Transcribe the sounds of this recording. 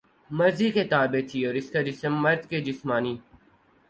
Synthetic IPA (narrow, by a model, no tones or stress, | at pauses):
mɐɾziket̪aːbet̪ʰiɔːɾɪskad͡ʒɪsəmːɐɾd̪ked͡ʒɪsmaːniː